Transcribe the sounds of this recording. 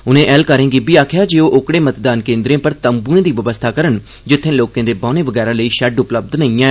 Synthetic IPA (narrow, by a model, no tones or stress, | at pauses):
ʊnẽːʔɛːlkəɾẽːɡibiːaːkʰjaːd͡ʒeːoːʔokɽeːmət̪d̪aːnkẽːnd̪ɾẽːpəɾt̪əmbuẽːd̪iːʋəʋəst̪ʰaːkəɾən | d͡ʒɪt̪ʰːẽːloːkẽːd̪eːbaːneːʋəɡɛːɾaːləiːʃɛɖʊpləb̚d̪nəĩːãː